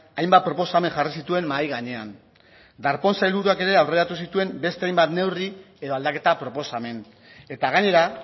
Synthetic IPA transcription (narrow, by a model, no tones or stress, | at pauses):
ajmbat̪̚pɾo̞po̞same̞ŋʝarisit̪ue̞mmajɣaɲe̞an | d̪aɾpo̞nsailβuɾuake̞ɾe̞awre̞ɾat̪us̬it̪ue̞mbe̞st̪e̞ajmbat̪ne̞wrie̞ðo̞ald̪ake̞t̪apɾo̞po̞same̞n | e̞t̪aɣ̞aɲe̞ɾa